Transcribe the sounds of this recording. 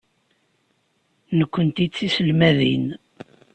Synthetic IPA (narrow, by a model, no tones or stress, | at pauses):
nəkʷːənt̪it͡sːisəlmæðḭn